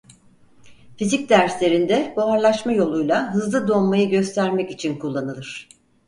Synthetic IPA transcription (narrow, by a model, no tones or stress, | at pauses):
fizic̚d̪æɾslʲe̞ɾind̪ɛbaaɾlˠaʃmajo̞lˠujlˠaɦɯzlˠɯd̪o̞mmajɯɟøst̪ʰæɾmɛcit͡ʃʰinkʰulˠːanɯlˠɯɾ̝̥